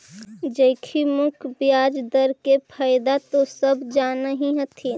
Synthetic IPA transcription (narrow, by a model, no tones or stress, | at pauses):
d͡ʒəɪkʰimʊkʰbjaːd͡ʒd̪əɾkepʰaːjd̪at̪osəbd͡ʒanəɦĩɦət̪ʰi